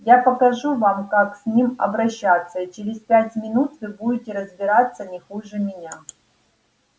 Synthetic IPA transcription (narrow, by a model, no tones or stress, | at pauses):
japəkɐʐuvamkaksʲnʲimɐ̰bɾɐɕːat̪sːəit͡ɕɪɾʲɪspʲætʲmʲɪnut̪vɨbuɪtʲɪɾəzbʲɪɾat̪sːənʲɪxuʐɨmʲɪnʲa